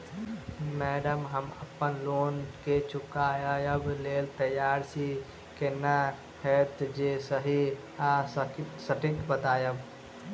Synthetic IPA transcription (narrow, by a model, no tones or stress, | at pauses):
mɛːɖəmɦəmɐ̰pːənloːnket͡ʃʊkaːjajəbleːlt̪əjaːɾsi | kena | hɛːt̪d͡ʒeːsəɦi | assəʈik̪bət̪aːjəb